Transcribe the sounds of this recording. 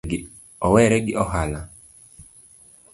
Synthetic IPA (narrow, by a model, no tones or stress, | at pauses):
ɡɪ | ɔwɛɾɛɡɪʔɔɦala